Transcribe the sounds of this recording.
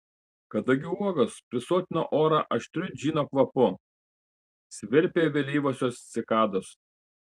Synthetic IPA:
kɐd̪ɐɡʲɪuɔɡɐspʲɾʲɪsoːt̪ʲɪno̰ːʔoːɾɑʔɐʃʲt̪ʲɾʲʊd͡ʒʲiːnoːkʋɐpʊ | sʲʋʲɪɾʲpʲeːʋʲelʲiːʋoːsʲoːst̪sʲɪkɑːd̪oːs

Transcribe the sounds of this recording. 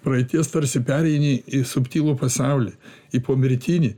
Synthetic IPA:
pɾɐit̪ʲiɛst̪ɐɾʲsʲɪpʲæɾʲɛɪnʲiisʊpʲt̪ʲiːlˠuːpɐsɐʊlʲiipoːmʲɪɾʲt̪ʲiːnʲi

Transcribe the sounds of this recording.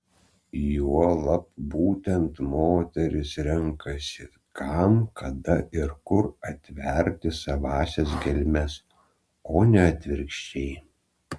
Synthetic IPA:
juɔlˠɐpbuːt̪ʲɛnt̪moːt̪ʲɛɾʲɪsɾʲɛŋkɐsʲɪ | kʰɑmkʰɐd̪ɐʔɪɾkʊɾɐt̪ʲʋʲɛɾʲt̪ʲɪsɐʋɑːsʲɛs̬ɡʲɛlʲmʲɛs | oːnʲɛɐt̪ʲʋʲɪɾʲkʃʲt͡ʃʲɛɪ

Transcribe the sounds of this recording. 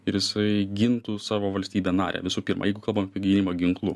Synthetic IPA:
ɪɾjɪsɐɪɡʲɪnt̪uːsɑːʋoːʋɐlʲsʲt̪ʲiːbʲeːnɑːɾʲʔɛ̰ʋʲɪsuːpʲiːɾmʔɐ̰jɛɪɡʊkɐlˠbɐmɐpʲiɛɡʲiɪnʲɪmoɡʲɪŋklˠʊ̰

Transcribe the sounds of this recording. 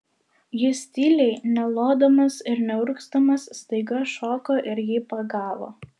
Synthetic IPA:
jɪsʲt̪ʲilʲɛɪnʲɛlˠoːd̪oːmɐsɪɾnʲɛʊɾkst̪ɐmɐsːt̪ɐɪɡɐʃoːkoːʔɪɾjɪpɐɡɑːʋo̰ː

